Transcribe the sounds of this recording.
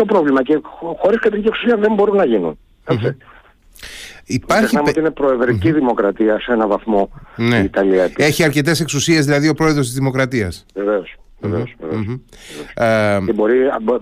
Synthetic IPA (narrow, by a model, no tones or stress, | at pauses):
o̞pɾo̞vlimɐce̞xo̞ɾiskɐt̪ɾiciesusiɐðe̞mbo̞ɾunːɐʝinṵn | et͡si | ipɐɾçsexnɐmeot̪iinepɾo̞e̞ðɾiciðimo̞kɾɐt̪iɐsenɐvɐθmo̞neːt̪ɐliɐt̪ieçiɐɾce̞t̪e̞se̞ksusie̞zðilɐðiopɾo̞eðɾo̞st̪izðimo̞kɾɐt̪iɐsveveos | veveosveveoesebo̞ɾib